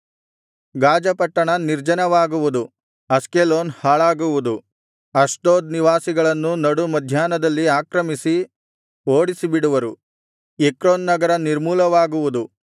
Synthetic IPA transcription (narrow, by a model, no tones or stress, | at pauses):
ɡaːd͡ʒɐpɐʈːɐɳɐniɾd͡ʒɐnɐʋaːɡuʋud̪u | ɐskeloːnhaːɭaːɡuʋud̪u | ɐsʈoːd̪niʋaːsiɡɐɭɐnːunɐɽumɐd̪ʱjaːnɐd̪ɐlːiaːkɾɐmisi | oːɽisibiɽuʋɐɾu | ekɾoːnːɐɡɐɾɐniɾmuːlɐʋaːɡuʋud̪u